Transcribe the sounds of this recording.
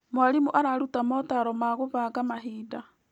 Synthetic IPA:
mwaɾimuʔaɾaɾutamɔtaɾɔmaɣoβaɣamaɦiːda

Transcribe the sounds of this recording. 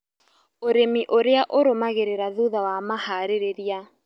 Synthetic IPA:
oɾemiʔoɾeaʔoɾomaɣeɾeɾaðuðawamahaɾeɾeɾja

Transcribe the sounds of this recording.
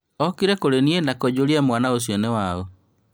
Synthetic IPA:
ɔkiɾɛkoɾenienakɔd͡ʑoɾiamwanaos̬jɔnɛwaɔ

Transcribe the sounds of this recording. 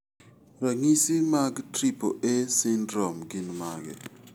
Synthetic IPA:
ɾaŋisimaɡtɾipoʔesɪndɾɔmɡinmaɡɛ̰

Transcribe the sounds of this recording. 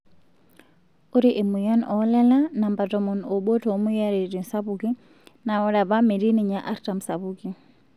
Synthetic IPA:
uɾiʔimujanɔlɛlanambatɔmɔnɔɓɔtʰɔmujaɾɛɾinsaβuki | naɔɾaβamiɾiniɲaʔaɾtamsaβuki

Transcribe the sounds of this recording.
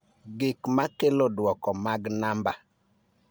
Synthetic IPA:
ɡɪkmakelodwɔkɔmaɡnamba

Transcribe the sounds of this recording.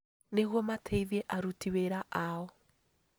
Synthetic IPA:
neɣwɔmatʰeiðɛʔaɾutiweɾaʔaɔ

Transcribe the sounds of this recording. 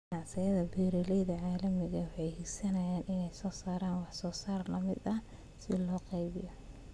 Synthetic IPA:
nɑʕsɪjɐðɐbiːɾɪlɛjðɐʕaːlɐmɪɣɐwʊħɑjhiɡsɐnɐjaːnʔɪnɛjsɔːsaːɾaːnwɑħsɔːsaːrlɐmɪ̰d̪ɐ | sɪlɔːqɑjβɪjɔ

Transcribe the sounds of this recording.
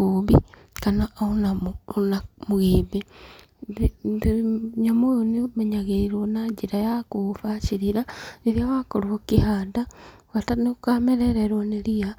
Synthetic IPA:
uβi | kanaunanamuɣebe | ɲamojonimeɲaɣeiɾonad͡ʒiɾajakufat͡ʃiɾiɾaniɾijawakoɾookihada | watanekameɾeɾeɾwonelia

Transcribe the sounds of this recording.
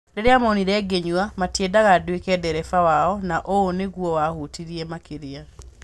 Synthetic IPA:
deɾeamaoniɾɛːɡeɲuwamatedaɣadwekɛdɛɾɛfawaɔnaʔoːneɣwɔwahutiɾiɛmakeɾea

